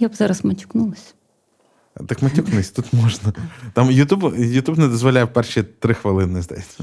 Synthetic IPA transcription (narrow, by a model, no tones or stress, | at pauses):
jabzɑɾɐsmɐtʲu̥knulˠɐsʲ | t̪ɨkmɐt̪ʲuknɪsʲt̪ut̪mɔʒnɐt̪ɑmjʊt̪ʲubjʊt̪ʲubnɛd̪ɔzʋɔlʲajwpɛrʃit̪ɾɪxʋɐlˠɪnɪzd̪ɛ̰sʲɐ